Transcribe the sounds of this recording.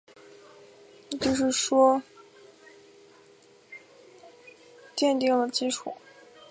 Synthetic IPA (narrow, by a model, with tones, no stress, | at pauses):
t͡ɕo˥˧ʊʂ̬ɻ̩˥˩ʂwɔ˥ | t̪jɛ˥˧nt̪i˥˩ŋlə˩t͡ɕi˥ʈ͡ʂʰu˥˩˦